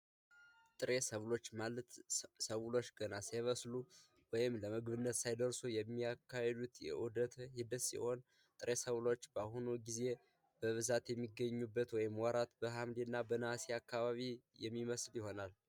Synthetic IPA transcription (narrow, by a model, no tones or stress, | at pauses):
t̪ʼɨɾe̞səβlo̞t͡ʃːmalət̪səβlo̞t͡ʃːɡənaseβəslu | wɔjɪmləmɨɡβɨnːət̪sajd̪əɾsujɛmːiakʰːahed̪ut̪jɛ̰ʔud̪ət̪hid̪ɨsḭho̞n | t̪ʼɨɾesəβlo̞t͡ʃːbahunuɡize̞ | b̥əβɨzat̪jɛmːiɡːəɲːubːət̪wɔjɪmwaɾat̪bəɦamd̪inːabənasiakːaβaβijɛmːiməsljɪho̞nal